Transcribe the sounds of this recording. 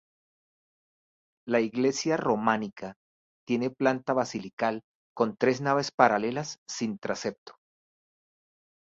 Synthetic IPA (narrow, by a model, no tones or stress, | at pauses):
laiɣle̞sjaro̞manikʰa | t̪je̞ne̞plant̪aβasilikal | ko̞nt̪ɾe̞znaβe̞spaɾale̞lasːint̪ɾase̞p̚t̪o̥